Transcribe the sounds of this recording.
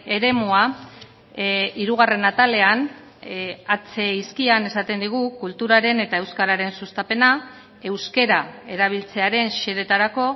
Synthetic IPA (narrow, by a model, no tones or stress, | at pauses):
e̞ɾe̞mua | iɾuɣ̞are̞nat̪ale̞an | at͡se̞iskiane̞sat̪e̞nd̪iɣ̞ukult̪uɾaɾe̞ne̞t̪ae̞wskaɾaɾe̞nsust̪ape̞na | e̞wske̞ɾae̞ɾaβ̞ilt͡se̞aɾe̞nʃe̞ðe̞t̪aɾako̞